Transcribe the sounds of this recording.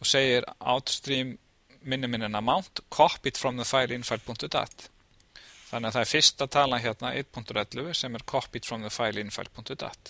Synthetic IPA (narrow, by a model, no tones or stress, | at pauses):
ɔseːjɪɾa̰ːwt̪st̪ɾimː | ɪnːɪmɪnːɪnːamawn̥t̪kʰɔhpit̪fɾamðʏfaːjlinfajlpʰʊŋ̥t̪ʏt̪a̰ht̪ | θanːɛːaθaðɛɾ̥fɪr̥st̪at̪ʰaːlaçɛt̪naʔḛjt̪̚pʰuŋ̥t̪ʏɾɛt̪lʏɣʏsɛmɛɾ̥kʰɔhpit̪fɾamðʏfaːjlɪnfa̰jlpʰuŋ̥t̪ʏt̪a̰ht̪